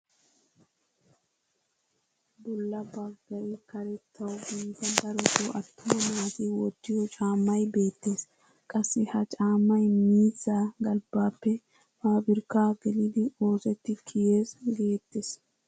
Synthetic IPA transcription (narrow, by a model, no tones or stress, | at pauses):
bɔlːɐbaɡɐɾɪkɐɾɛt̪ʰːɐwɡint̪ɐbɐɾɔt̪oʔɐt̪ːʊmɐnaat̪ɪwɔt̪ːɪjɔt͡ʃʼaːmːɐjbe̞ːt̪ːeːs | kʼɐsːɪhɐt͡ʃʼaːmːɐjmiːzːaːɡɐlbaːpːɛ | maːbɪɾkaːɡɛlɪd̪ɪo̞ːsɛt̪ːɪkʰɪjeːsɡeːt̪ːeːs